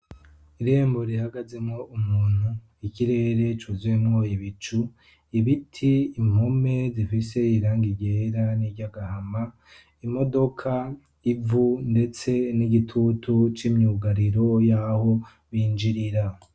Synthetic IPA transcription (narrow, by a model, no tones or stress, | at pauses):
iɾe̞ːmbo̞ɾihaɡaze̞mŋo̞ʔumuːn̥hu | iciɾe̞ːɾe̞t͡ʃuzwenwojiβit͡ʃu | iβitʰiːm̥home̞zifise̞iɾaːŋɡiɟe̞ɾaniɾɟaɡahama | imo̞do̞kʰa | ivunde̞t͡se̞niɡitʰutʰut͡ʃimɲuːɡaɾiɾo̞jaːho̞ | βiːnd͡ʒiɾiɾa